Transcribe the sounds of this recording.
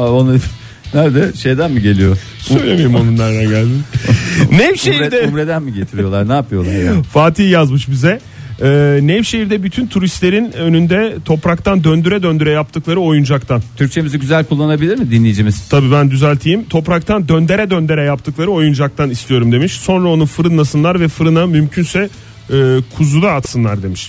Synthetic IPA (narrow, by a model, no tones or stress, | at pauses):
aona | næɾd̪ɛʃe̞jd̪ænmiɟe̞lʲijo | søjlʲemiɾimonunːˠaɾd̪aɟælʲd̪ɛ | nɛvʃe̞hiɾd̪ɛumɾed̪ænmiɟe̞t̪ʰiɾijo̞lˠaɾnaːpʰɯjo̞lˠaɾfaːt̪ʰiːjazmɯʃbizɛ | ɛːnɛvʃe̞ɦiɾd̪ɛbyt̪ʰynt̪ʰuɾist̪lʲe̞ɾinønynd̪ɛt̪ʰo̞pɾak̚t̪ʰand̪ønd̪yɾɛd̪ønd̪yɾɛjap̚t̪ʰɯklˠaɾɯo̞jund͡ʒakt̪ʰant̪ʰyɾct͡ʃʰe̞miziɟyzælʲkʰulˠːanabilʲiɾmɪd̪inlʲejid͡ʒimiz̥t̪ʰabiːbænd̪yzælʲt̪ʰijimt̪ʰo̞pɾak̚t̪ʰand̪ø̞nd̪e̞ɾɛd̪ønd̪e̞ɾɛjap̚t̪ʰɯklˠaɾɯo̞jund͡ʒak̚t̪anist̪ʰʲijo̞ɾumd̪e̞miʃso̞nɾao̞nufɯɾɯnːˠasɯnlˠaɾvɛfɯɾɯnamymcʰynsɛː | kʰuzud̪aːt̪sɯnlˠaɾd̪e̞miʃ